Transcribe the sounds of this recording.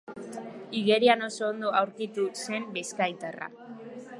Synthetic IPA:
iɣe̞ɾiano̞soːnd̪oawɾkit̪use̞mbeskajt̪ara̰

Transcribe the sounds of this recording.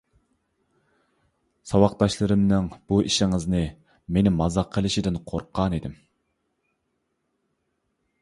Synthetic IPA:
sɑwɑqt̪ɑʃlˠɨɾɨmnɪŋb̥uʔiʃɪŋɨznɨ | menɪmɑzɑqʰːəlˠɪʃid̪ɪnqʰoɾqʰɑnid̪ɪm

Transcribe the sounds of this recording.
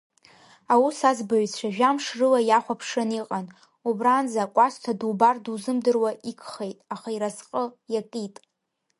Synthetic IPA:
awusazbaɥzt͡ɕʷʰaʒᶣamʂrɨlajaχʷapʰʂɨniqʼan | ubranzaːkʷʼastʰadubarduzɨmdɨrwaʔikʰʼχejtʼaχaiɾazqʼəjakʼitʼ

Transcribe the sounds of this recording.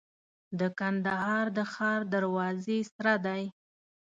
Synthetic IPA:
d̪əkand̪aɦɑɾd̪əxɑɾd̪aɾwɑzesɾad̪aj

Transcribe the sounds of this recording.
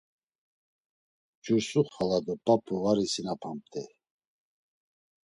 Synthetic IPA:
d͡ʒuɾsuχalad̪ɔpʼapʰuvaɾisinapʰamp̚t̪ʰɛ

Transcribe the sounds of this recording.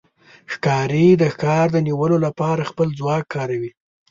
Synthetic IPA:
xkɑɾid̪əxkɑɾd̪əniwəlolapɑɾaxpəlzwɑkʰːɑɾawi

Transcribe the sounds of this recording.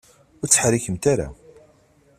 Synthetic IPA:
ʊɾt͡sːə̥ħɾiçəmt̪aɾa̰

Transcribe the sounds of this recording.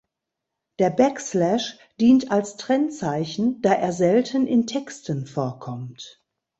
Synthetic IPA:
d̥eːɐbɛkslɛʃ | d̥iːntalstʁ̥ɛnt͡saɪçn̩d̥aːʔeːɐzɛltʰənʔɪntʰɛkstənfoːɐkʰɔmt

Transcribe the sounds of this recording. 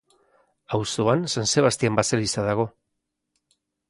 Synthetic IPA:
awsoansanse̞β̞ast̪iambaselisaðaɣo̞

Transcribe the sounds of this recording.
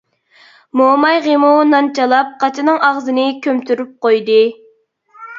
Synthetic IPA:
momɑjʁemunɑnt͡ʃʰɑlˠɑp̚qʰɑt͡ʃʰinɨŋɑʁzɨnɨkʲʰømt̪ʰyɾyp̚qojd̪ɨ

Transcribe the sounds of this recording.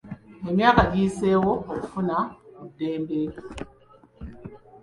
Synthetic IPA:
hemjakaɡisewoofunaudembe

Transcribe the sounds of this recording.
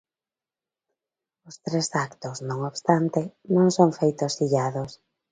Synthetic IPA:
ʊst̪ɾesakt̪ʊsnõŋoβst̪ant̪enõŋsoŋfejt̪ʊsiʎaðʊs

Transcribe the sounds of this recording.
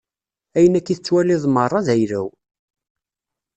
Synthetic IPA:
æjənækːiθət͡sːwæliðˤmərˤːɑðæjɾæw

